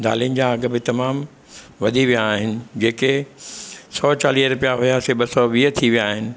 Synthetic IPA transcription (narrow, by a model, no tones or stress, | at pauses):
d̪a̰ːliʊnɪ̆d͡ʑaɐɡə̆bɪt̪ɐmaːm | ʋɐd̪ʱiʋijaːɦɪnɪ̆d͡ʑeːke | sɔːt͡ɕaːliːɦɾʊpijaɦʊjaseɓɐsɔʋiːɦət̪ʰiʋijaːɦɪnɪ̆